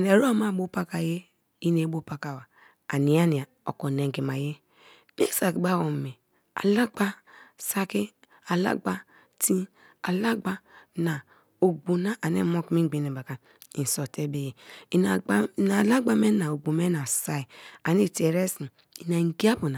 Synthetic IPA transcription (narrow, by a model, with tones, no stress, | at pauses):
ne˨ɾo˦a˦ma˦˨bo˦pa˦ka˨je˦ | i˦ne˨˦bo˦pa˦ka˨wa˨ | a˨ni˨a˦ni˨a˨o̰˨ko˨ne˨ŋ˨ɡi˨ma˨je˦ | mḛ˦sa˨kba˦˨wo˨mi˨ | a̰˨la˦ɡ͡ba˦sa˦ki˦ | a˨la̰˦ɡ͡ba˦ | ti˦ | a˨la˦ɡ͡ba˦na˨ | o˨ɡ͡bu˨na˦ʔa˨nḛ˦mo˦kmi˦ŋ˦ɡ͡bi˨ne˨ba˨ka˨ | i˨n˨so˨te˦be˦˨je˨i˨na˨˦na˨la˦ɡ͡ba˦me˦na˨o˨ɡ͡bu˨me˦na˨sa˦i˨a˨ni˦˨te˨ɾe˦si˨ | i˨na˨ŋ˨ɡi˦a˦bu˨na˨